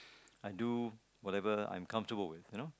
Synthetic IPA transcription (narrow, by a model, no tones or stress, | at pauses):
ajdu | wɔtɛvəã̰j̃mkʰʌ̃ɱftəbəlwɪθjuno